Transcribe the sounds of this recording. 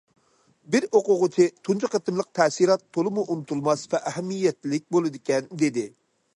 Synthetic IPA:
bɪɾoqʊʁʊt͡ʃʰɪt̪ʰunt͡ʃʰɨqət̪ɨmlˠəq̚t̪ʰɛsiɾɑt̪ʰːolˠɨmuʔunɨt̪ʰulˠmɑsvɛʔæɦɛmːijːɛt̪lɪk̚ʲbolˠɨd̪ɪkʲɛnd̪ed̪ɪ

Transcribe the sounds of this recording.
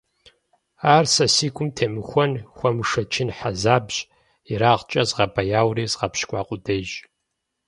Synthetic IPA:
aːrsɐsiːkʷʼʊmtʰeːmɨxʷɔnxʷɔmɨʂɐt͡ʃʰɪnħazaːbʑʼ | iɾaːʁt͡ʃʼɐzʁɐbʰɐjaːwriːzʁɐpʃkʷʼɑːqʷʼʊdɐʒ

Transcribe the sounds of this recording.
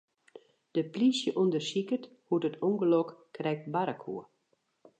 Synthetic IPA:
d̥əplisjəʔundərsikət | hutətʰɔŋɡəlɔkkːrɛk̚tbaɾəkʰṵə

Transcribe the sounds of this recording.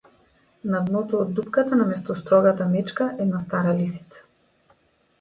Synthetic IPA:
nad̪nɔt̪ɔːd̪ːupkat̪anamɛst̪ɔst̪ɾɔɡat̪amɛt͡ʃkaʔɛd̪nast̪aɾalisi̥t̪sḁ

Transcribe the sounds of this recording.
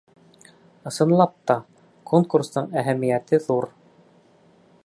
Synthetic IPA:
ɤ̆sɤ̆nlˠɑp̚t̪ɑ | kʰoŋkurst̪ɤɴæɦæmijæt̪ɘðuɾ

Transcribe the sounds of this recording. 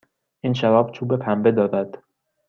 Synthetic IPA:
ʔiːnʃæɾɒːbt͡ʃʰuːbe̞pʰæmbe̞d̪ɒːd̪æd̪̥

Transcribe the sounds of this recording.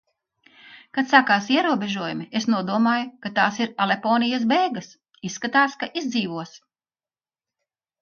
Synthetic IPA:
kat̪sakaːsiɛɾuɔbeʒuɔjumiesnuɔd̪uɔmaːjukat̪aːsiɾalˠepɔːnijɐs̬beːɡɐs | isːkat̪aːskaʔizd̪ziːʋuɔs

